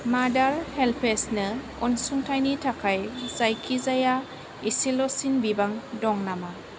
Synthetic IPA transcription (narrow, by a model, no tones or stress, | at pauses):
madaɾhelpʰesnɯ | ɔnsuŋtʰajnitʰakʰajzajkʰizaja | isilɔsinbibaŋdɔŋnama